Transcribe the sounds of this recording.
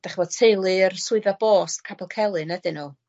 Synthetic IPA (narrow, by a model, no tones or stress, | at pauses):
d̥aχvɔd̥tʰejlˠɨərsʊɨðab̥oːstkʰabɛlˠkʰɛlˠɨnədɨnu